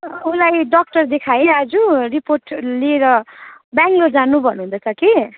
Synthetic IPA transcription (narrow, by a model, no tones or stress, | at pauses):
ulajɖʌk̚ʈʌrd̪ekʰajead͡zuriporʈlieɾʌbjaŋɡlord͡zanubʱʌnuɦund̪ʌt͡sʰʌki